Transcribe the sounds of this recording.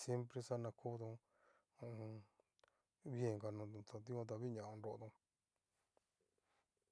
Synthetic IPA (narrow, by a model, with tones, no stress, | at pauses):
sje˦mpɾe˧sa˦nã˧kʰo˦d̪õ˧ | βje˧˨ŋɡa˧˨nõ˧t̪a˧t̪̬i˦õ˧t̪̬a˧βi˦ɲã˨ʔã˧nɾo˧ʔt̪õ˧